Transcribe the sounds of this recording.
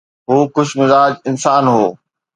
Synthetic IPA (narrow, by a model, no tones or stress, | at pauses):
ɦoːxʊʃmɪzaːd͡ʑɪnsaːnɦoː